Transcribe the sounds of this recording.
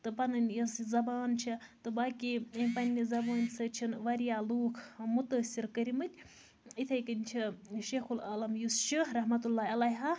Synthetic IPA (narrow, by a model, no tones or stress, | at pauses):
t̪ɨpɐnɨnʲjɐsizɐbaːnt͡ʃʰit̪ɨbaːkiɐmʲpɐnʲːizɐbaːnsɨt͡ʃʰinʋɐɾijaːluːkʰmut̪əsʲiɾkəɾʲimɨt̪ʲ | it̪ʰɐjkənʲt͡ʃʰiʃeːxulɐlɐmjust͡ʃʰiɾɐɦmɐt̪ulːaːɐlɐjɦa